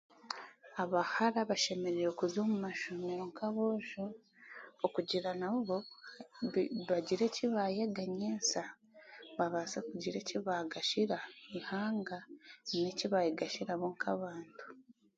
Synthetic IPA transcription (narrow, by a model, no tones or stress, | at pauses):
aβahaɾaβaʃe̞me̞ɾeɾokuzo̞ːmumaʃumeɾoŋkʰaβoːʒu | okuɟiɾanaβuβo | βaɟiɾe̞ciβajeɡaɲeːnsa | βaβasakuɟiɾe̞ciβaɡaʃiɾaihaːŋɡaneciβajiɡaʃiɾaβoːŋkʰaβaːntu̥